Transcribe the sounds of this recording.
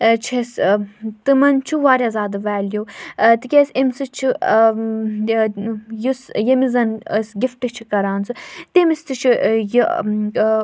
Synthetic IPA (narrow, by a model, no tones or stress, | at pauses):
t͡ʃʰest̪ɨmɐnt͡ʃʰuʋaːɾiɐzaːd̪ɨʋaːljowt̪ɨkʲesimsɨt͡ʃʰi | jusjɐmizɐnəsɡʲifʈɨt͡ʃʰikɐɾaːnsɨt̪emist̪ɨt͡ʃʰiji